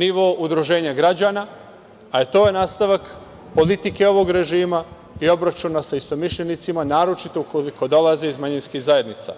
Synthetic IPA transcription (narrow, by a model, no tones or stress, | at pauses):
niʋo̞ʔud̪ɾuʒe̞ːɲaɡɾad͡ʑana | aet̪o̞ːjenaːst̪aʋak | po̞lit̪ike̞o̞ʋo̞ɡɾe̞ʒiːma | io̞bɾat͡ʃunasaist̪o̞miʃʎenit̪simanaːɾo̞t͡ʃit̪o̞ukoliko̞d̪o̞lazeizmaɲinskiɣzaje̞d̪nit̪sa̰